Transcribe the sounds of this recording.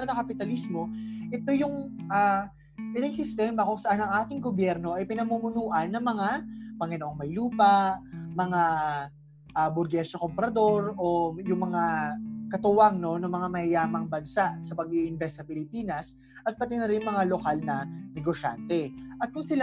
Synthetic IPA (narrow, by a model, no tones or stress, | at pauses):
ɐnɐkɐpɪt̪ɐlismo̞ʔɛt̪o̞jʊŋ | ʔa | ʔɛt̪ɪŋsɪst̪ɛmɐkʊŋsɐʔanɐŋʔaːt̪ɪŋɡobjɛɾno̞ʔɐjpɪnɐmumʊnuːʔɐnːɐŋmɐŋapɐŋɪnoʔoŋmɐjluːpɐmɐŋa | ʔabʊɾɡɛsɐko̞mpɾɐd̪o̞ɾʔo̞jʊŋmɐŋakɐt̪ʊwaŋno̞nɐŋmɐŋamɐhɪjaːmɐŋbɐnsaʔsɐpɐɡiʔɪnvɛst̪sɐpɪlɪpiːnɐs | ʔɐt̪̚pɐt̪ɪnɐɾɪnmɐŋalo̞kalnɐnɛɡoʃa̰nt̪ɛʔɐt̪̚kʊŋsɪla